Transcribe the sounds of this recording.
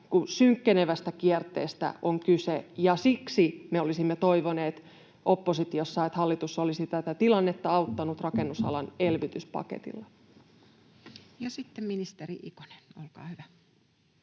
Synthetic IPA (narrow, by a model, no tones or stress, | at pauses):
kusyŋkːeneʋæst̪ækiɛrt̪ˑḛːst̪æ̰ʔoŋkysejɑsiksimeolisimːet̪o̞iʋoneːt̪ | ʔopːosit̪ijosːɑet̪hɑlːit̪usːolisit̪æt̪æt̪ilɑnːet̪ːɑɑut̪ːɑnut̪rɑkenːusɑ̰lɑnelʋit̪yspɑ̰kḛt̪ḭlːɑ | jɑsit̪ːemminist̪eriʔḭko̥nenolkɑ̰ːhyʋæ